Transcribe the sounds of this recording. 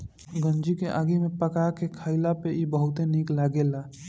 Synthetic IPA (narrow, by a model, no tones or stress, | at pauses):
ɡə̃nd͡ʒikeʔa̰ːɡimẽpəkakekʰaːɪlapeibəɦʊt̪eniklaːɡelaː